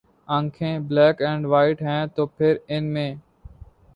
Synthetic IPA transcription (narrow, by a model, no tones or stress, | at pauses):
ə̃ŋkʰẽːblɛːkɛ̃ːɳɖʋaːɪʈɦɛ̃ːt̪oːpʰɪɾɪnmẽː